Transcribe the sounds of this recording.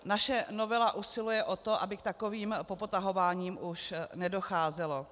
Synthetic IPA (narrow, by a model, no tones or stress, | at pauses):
naʃɛno̞vɛlaʔusɪlujɛʔo̞t̪o̞ʔa̰bɪk̚t̪ako̞viːmpo̞pot̪aɦo̞vaːɲiːmʔuʃnɛdo̞xaːzɛlo̞